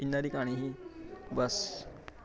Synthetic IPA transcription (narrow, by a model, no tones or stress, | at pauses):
inːaɾiːkaɽ̃iɦibəs